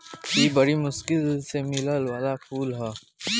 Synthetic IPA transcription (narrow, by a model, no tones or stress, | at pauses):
tiːbɐɽimʊskɪlsemɪləlwaːlakʰuːlɦaː